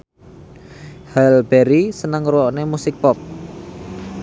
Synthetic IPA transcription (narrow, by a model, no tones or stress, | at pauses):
hɛlbɛɾisənəŋɾuwɔʔnemusɪk̚pɔp̚